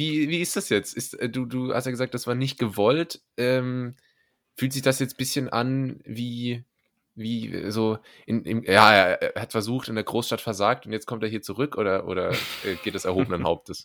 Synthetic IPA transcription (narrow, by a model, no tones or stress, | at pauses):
viːviːɪstd̥asjɛt͡stʔɪstɛːduːduːha̰stjaɡəzaːk̚td̥asv̥aːɐnɪçt̚ɡ̥əvɔltʔɛːm | fyːltz̥ɪçd̥asjɛt͡stb̥ɪsçənʔa̰nviː | viːɛ̰zoː | ʔɪnɪ̰mjaːʔeːɐːɐʔḛːɐʔehatfɛɐzuːxtɪndeːɐɡʁoːsʃtatfɛɐzaːktʊntjɛt͡stkʰɔmteːɐiːɐt͡suʁʏkʔoːɾɐʔo̰ːɾɐʔɛ̰ːɡeːtd̥ɛsɛɐhoːbənənhaʊp̚təs